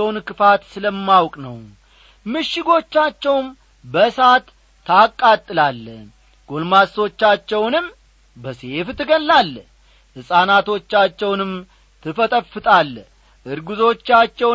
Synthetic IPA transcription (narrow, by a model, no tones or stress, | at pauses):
wnkɨfat̪sɨləmːawkʼnəw | mɨʃːɪɡo̞t͡ʃːat͡ʃːɛwm | bəsat̪ʰː | akʼːat̪ʼːɨlalː | ɡ̥o̞lmaso̞t͡ʃːat͡ʃːɛwnɨm | bəse̞ft̪ʰɨɡənlalː | hɨsʼanat̪ʰo̞t͡ʃːat͡ʃːɛwnɨm | t̪ʰɨfət̪ʼəfɨt̪ʼalː | ʔɨɾɡuzo̞t͡ʃːat͡ʃːɛw